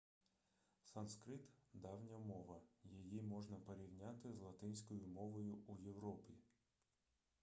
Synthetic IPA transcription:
sɑnskɾɪt̪d̪ɑwnʲɐmɔʋɐjijimɔʒnɐpɔɾʲiwnʲat̪ɪzlˠɐt̪ɪnʲsʲkɔjʊmɔʋɔjʊujewɾɔpʲi

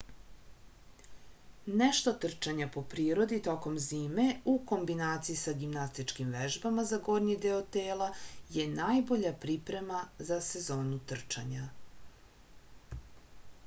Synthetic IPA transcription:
neʃt̪o̞t̪r̩t͡ʃaɲapo̞pɾiːɾo̞d̪it̪o̞ko̞mziːme̞uko̞mbinaːt̪siisaɡimnast̪it͡ʃkimʋeʒbamazaɡo̞ɾɲid̪eot̪eːlaje̞najbo̞ʎapɾipɾe̞mazase̞zo̞ːnut̪r̩t͡ʃaɲa

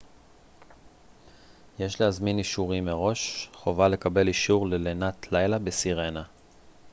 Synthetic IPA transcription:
je̞ʃleazminiʃuʁimeʁo̞ʃχo̞vale̞kabe̞liʃuʁlelenat̪ʰlajlabesiʁe̞na

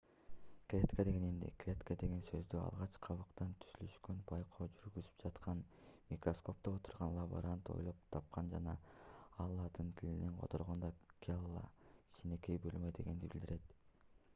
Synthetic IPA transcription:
klʲet̪kad̪e̞ɡe̞nimd̪ḭklʲe̞t̪kad̪e̞ɡe̞nsø̞zd̪yɑ̰lˠʁɑt͡ʃqʰɑβɯqt̪ɑnt̪ʰy̥zylyʃkønbʰɑjqʰoːd͡ʒyɾɡyzy̥p̚d͡ʒɑt̪qɑn | mʲikro̞sko̞p̚t̪oot̪u̥ɾʁɑnlˠabo̰ɾant̪o̞̰jlˠop̚t̪ʰɑp̚qɑnd͡ʒɑnɑɑlˠːɑt̪ɯnt̪ʰilineŋqʰo̞̰t̪ʰo̞ɾʁo̞nd̪ɑkʲʰalˠːɑ̰i̥t͡ʃine̞kejbølmøjd̪e̞ɡe̞nd̪ibild̪iɾe̞t̪

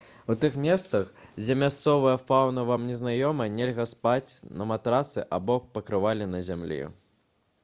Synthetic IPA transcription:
wt̪ɨxmʲɛst̪sɐxd͡zʲɛmʲast̪sɔvɐjɐfawnɐvamnʲɛznajɔmɐnʲelʲɣɐspat͡sʲnɐmat̪ɾat̪sɨʔabɔk̚pɐkɾɨvalʲinɐzʲamlʲḭ

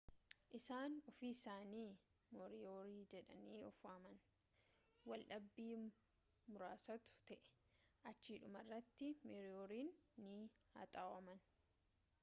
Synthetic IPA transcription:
ʔɪsaːnɔfiːsaːniː | moɾɪoːɾiːd͡ʒɛᶑɐniːɔfamɐn | wɐlʔɐbːiː | mʊɾaːsɐt̪ʊ̥t̪ɛʔɛ̥ | ʔɐt͡ʃːiːᶑʊmɐrːɐt̪ːɪmɛɾɪjoːɾiːnːɪ | hɐa̰t̪ʼaːwɐmɐn

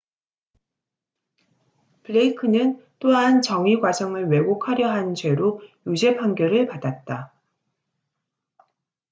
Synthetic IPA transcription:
pɯɭeikʰɯnɯnt͈oɦant͡ɕʌŋiɡwad͡ʑʌŋɯɭwe̞ɡokʰaɾjʌɦant͡ɕwe̞ɾojud͡ʑe̞pʰaŋɡjʌɾɯɭpadat̚t͈a

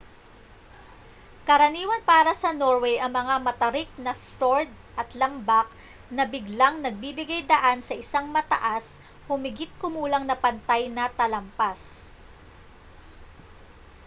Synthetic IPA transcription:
kɐɾɐniːwɐnpaːɾɐsɐno̞ɹwɛjʔɐŋmɐŋamɐt̪ɐɾɪk̚nɐfɾoɹd̪̚ʔɐt̪lɐmbak̚ | nɐbɪɡlaŋnɐɡ̚bibɪɡajd̪ɐʔansɐʔɪsaŋmɐt̪ɐ̰ʔas | hʊmɪɡɪt̪̚kʊmuːlɐŋnɐpɐnt̪ajnɐt̪ɐlɐmpas

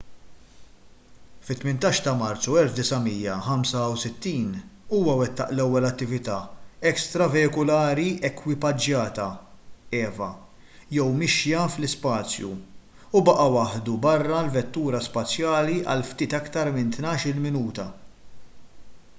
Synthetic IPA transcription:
fɪt̪ːmɪnt̪ɐːʃt̪ɐmɐɾt͡sːuɛlfd̪ɪsɐmiːjːɐħɐmsɐwsɪt̪ːiːnuːwɐwɛt̪ːɐ̰ʔlɛwːɛlɐt̪ːɪvɪt̪ɐːɛkst̪ɾɐvɛɪkʊlɐːɾiɛkwɪpɐd͡ʒjɐːt̪ɐɛːvɐ̰ | jɛwmɪʃjɐflɪspɐːt͡sjṵ | ubɐʔɐwɐħd̪ubɐrːɐlvɛt̪ːuːɾɐspɐt͡sːjɐːliʔɐ̰lft̪iːt̪ɐkt̪ɐɾmɪnt̪nɐːʃɪlmɪnuːt̪ɐ

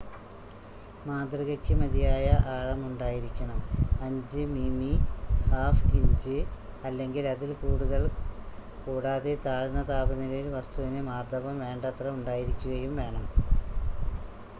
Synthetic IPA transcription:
maːd̪riɣɐkʲːɨmɐðijaːjɐʔaːɻɐmuɳɖaːjiɾikʲːɐɳɐmɐɲd͡ʑɨmimihaːfiɲd͡ʑɨ | ɐlːe̞ŋɡilɐðilkuːɽuðɐl | kuːɽaːðet̪aːɻunːɐt̪aːbɐnilɐilʋɐst̪uʋinɨmaːrd̪ʱɐʋɐmʋe̞ːɳɖɐt̪rɐuɳɖaːjiɾikʲːuɣɐjumʋe̞ːɳɐm

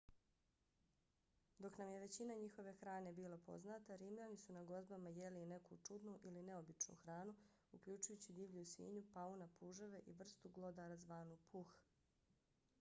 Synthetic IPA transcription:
d̪o̞knamje̞ʋe̞t͡ɕinaɲixo̞ʋe̞xɾaːne̞biːlˠapo̞̰znat̪aɾiːmʎanisunaɡo̞zbamajeliːne̞kut͡ʃud̪nuʔiline̞o̞bit͡ʃnṵxɾaːnu | ukʎut͡ʃujut͡ɕid̪iːʋʎusḭːɲupaunapuʒoʋe̞ʔiʋr̩st̪uɡlˠod̪aɾazʋaːnupʰux

